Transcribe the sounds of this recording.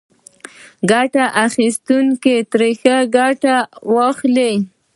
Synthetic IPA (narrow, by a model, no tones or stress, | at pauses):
ɡaʈaʔaxist̪uŋket̪ɾexəɡaʈawaxle